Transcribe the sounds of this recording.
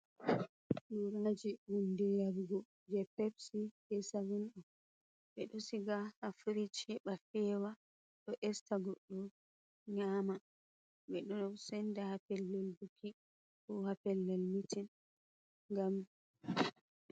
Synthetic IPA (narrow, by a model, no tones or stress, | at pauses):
ɗuɾanad͡ʒiwundijabɡɔ | d͡ʒɛpɛbsihɛsawunɗɔ | ɓɛɗɔsiɡahafuɾit͡ʃɛɓafɛwa | ɗɔʔɛstaɡɔɗːɔ | ɲama | bɛɗɔɔwsɛndahapɛlːɛlbukʰi | kɔhapɛlːɛlmitin | ŋɡam